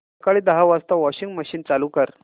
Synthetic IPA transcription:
kaɭiːd̪əɦaʋast̪aʋɔɕiŋɡməɕiːnt͡saluːkəɾ

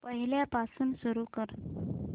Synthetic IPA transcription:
pəɦiljapasunsuɾukəɾ

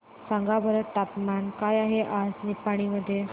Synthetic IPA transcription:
sãŋɡabəɾəʈapmankajaɦeʔad͡znipːaɽ̃iməd̪ʱːje

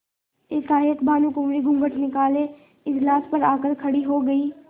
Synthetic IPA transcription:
ɪsaːɦekbaːnukʊmɾiɡʱʊ̃ŋɡəʈnɪkaːle | ɪd͡ʒlaːspɐɾaːkəɾkʰɐɽiɦoːɡɐiː

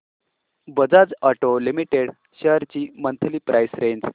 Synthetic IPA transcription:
bəd͡zad͡zaʈolimiʈeɽ | ɕəɦɾt͡ɕiːmənt̪ʰəliːpɾʔajsɾeɲd͡z

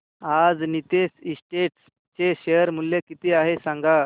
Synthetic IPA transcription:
ad͡znit̪esisʈeʈs | t͡ɕeɕejəɾmuljekit̪iːaɦesãŋɡa

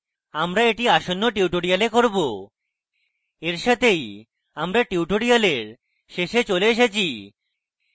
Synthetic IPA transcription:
amɾaeʈiaʃonːoʈiuʈoɽijalekoɾbo | eɾʃat̪ʰej | amɾaʈiuʈoɽijaleɾ | ʃeʃet͡ɕoleeʃ̬et͡ɕʰi

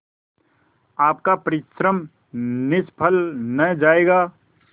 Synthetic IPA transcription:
aːp̚kapəɾɪʃɾəm | nɪspʰəlnəd͡ʒaːeːɡaː

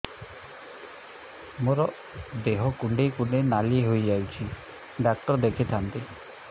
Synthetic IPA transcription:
moɾɔ | d̪eɦɔkuɳɖekuɳenalieɦojd͡ʒawt͡ʃʰi | ɖak̚ʈɔɾd̪ekʰit̪ʰant̪i

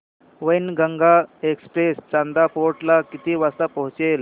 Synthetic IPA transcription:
ʋəjnɡəŋɡaekspɾest͡ɕand̪apoɾʈlakit̪iʋast̪apəɦũt͡ɕel

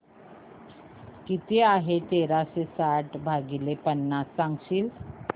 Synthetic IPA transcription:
kit̪eaɦet̪eɾaɕesaʈbʱaɡilepənːasːãŋɡɕiːl

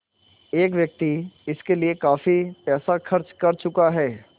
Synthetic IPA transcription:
eːkʋjɐk̚t̪iɪskeliekaːfipɛːsaxɐɾt͡ʃkɐɾt͡ʃʊkaɦɛː

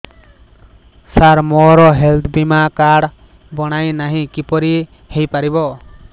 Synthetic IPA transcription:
saɾmɔɾɔɦelt̪ʰbimakaɽ | bɔɽ̃ajnaɦĩkipɔɾi | hejpaɾibɔ

